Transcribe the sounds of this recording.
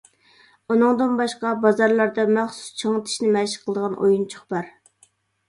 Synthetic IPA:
unɨŋd̪ɨnbɑʃqɑbɑzɑɾlˠɑɾd̪ɑmæχsu̥st͡ʃʰəŋɨt̪ʰi̥ʃnɪmɛʃqʰəlˠəd̪əʁɑnʔo̰junt͡ʃʰo̥χbɑɾ

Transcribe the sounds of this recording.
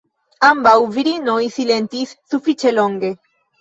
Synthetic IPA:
ambawviɾinoisilent̪isːufɾit͡ʃeloŋɡe

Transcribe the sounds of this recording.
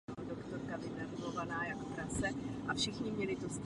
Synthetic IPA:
odokt̪oɾkavɪnavuɡovanaːjako̥pɾasɛʔafʃɪxɲɪmɲɛlɪt̪ost̪

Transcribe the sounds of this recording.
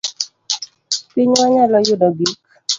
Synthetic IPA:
pɪɲaɲalɔjʊdɔɡik

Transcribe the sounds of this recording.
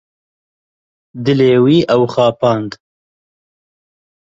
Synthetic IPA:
d̪ɨleːwiːʔɐwχɑːpɑːnd̪

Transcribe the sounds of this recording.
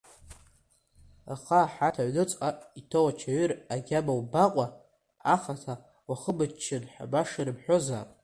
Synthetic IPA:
a̰χaːħatʰaʕʷnɨt͡sʼaitʰowat͡ʃʰaɥiraɡʲabawbaqʷʼa | aχatʰa | waχəbɨt͡ʃt͡ʃʰːɪdħʷa̰baʂaɾɨbħʷᶣoza̰ːpʼ

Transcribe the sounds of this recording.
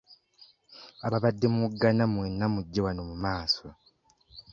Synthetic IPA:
aβaβadːe̞muɡːanamwenːamuɟːewanomumaːso

